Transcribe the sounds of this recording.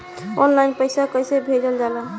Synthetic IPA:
ɔnlajnpəjsakəjsebʱed͡ʒəld͡ʒalə

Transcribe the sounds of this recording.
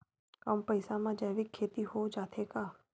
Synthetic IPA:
əmpəɪsamãd͡ʒəːʋɪkʰːeːt̪iɦod͡ʒaːt̪ʰekaː

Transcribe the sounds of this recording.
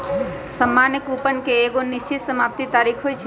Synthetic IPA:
səmːanikupənkeːɡonist͡ʃit̪səmap̚t̪it̪aɾikʰɦojt͡ʃʰ

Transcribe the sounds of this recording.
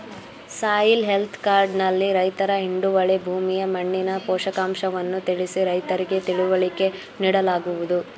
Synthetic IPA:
saːjilɦe̞lt̪ʰkaːɾɖnɐlːiɾɐjt̪ɐɾɐɦiɳɖuʋɐɭebʱuːmijɐmɐɳːinɐpɔːʃɐkaːmʃɐʋɐnːut̪iɭisiɾɐjt̪ɐɾiɡe̞t̪iɭuʋɐɭike̞ | niːɽɐlaːɡuʋud̪u

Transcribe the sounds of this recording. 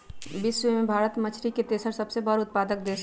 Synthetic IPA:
bɪsʋəmebʱaːɾət̪mət͡ʃʰɾiket̪eːsəɾsɐbsebəɾʊt̪̚paːd̪ək̚d̪eːs

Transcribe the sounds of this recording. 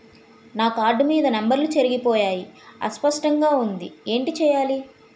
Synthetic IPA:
naːkaːɾɖumiːd̪ɐnɐmbɐɾlut͡ʃeɾiɡipɔːjaːjiɐ̰spɐʂʈɐŋɡaːund̪ie̞ːɳʈit͡ʃɛːjaːli

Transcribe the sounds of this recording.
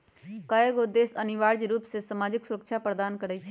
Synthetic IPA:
kaːjəɡod̪eːsənɪʋaːɾd͡ʒɾuːpsesɐmaːd͡ʒɪksʊɾəkʃʰapɾəd̪aːnkəɾəit͡ʃʰ

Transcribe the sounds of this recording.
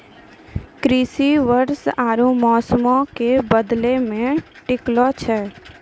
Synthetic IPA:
kɾiːsiʋəɾsaːɾũmɔːsmõkebəd̪lemẽʈɪklot͡ʃʰɛː

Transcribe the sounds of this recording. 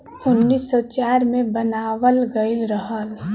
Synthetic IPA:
ʊnːiːsːɔt͡ʃaːɾmẽbənaːʋəlɡəɪlɾəɦəl

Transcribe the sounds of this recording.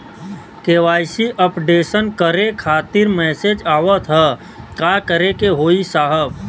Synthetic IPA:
keːʋaːjsiʔəpɖeːsənkəɾekʰaːt̪ɪɾmɛːsed͡ʒaːʋət̪ʰɦə | kaːkəɾekeɦoːisaːɦəb

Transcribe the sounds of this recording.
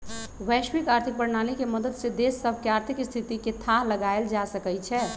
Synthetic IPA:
wɛʃwikaːɾt̪ʰik̚bəɾnaːlikeməd̪əd̪sed̪esːəbʱkeaːɾt̪ʰikst̪ʰit̪iket̪ʰaɦləɡaeld͡ʒasəkət͡ʃʰɛ

